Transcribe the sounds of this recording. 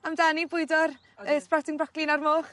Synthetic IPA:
amdanibʊɨdɔr | əspratɪŋbrɔklinarmoːχ

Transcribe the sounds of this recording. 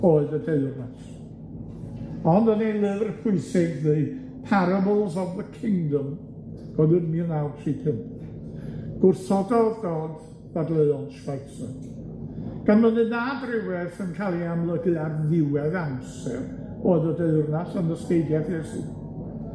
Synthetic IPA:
oːɨðədeɨrnas | ɔndənilˠɨvrpʰʊɨsɪɡðɨ | pʰaɾabɔlˠzɔvðəkʰɪŋdɔm | ɡ̥ɔðɨnmiənawtʰripʰɨn | ɡ̥ʊrsɔdɔðɡɔːd | ð̥adlˠəjɔnʃvajsɛ | ɡ̥anmənɨnadrɪwɛθənkʰalˠiamlˠəɡɨarðɪwɛðamsɛr | oːɨðədeɨrnasənəskeɨdjaθjɛsḭ

